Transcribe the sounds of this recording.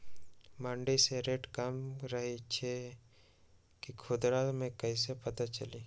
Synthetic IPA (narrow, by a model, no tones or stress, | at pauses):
mãːɳɖiseɾeʈkəmɾəɦet͡ʃʰe | kikʰʊd̪ɾat̪mẽkɐis̬epɐt̪at͡ʃɐli